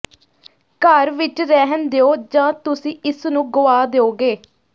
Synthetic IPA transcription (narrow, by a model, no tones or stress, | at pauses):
kəɾʋɪt͡ʃɾɛɦənd̪eoːd͡ʒãːt̪ʊsĩːʔɪsnũːɡʊaːd̪eoːɡeː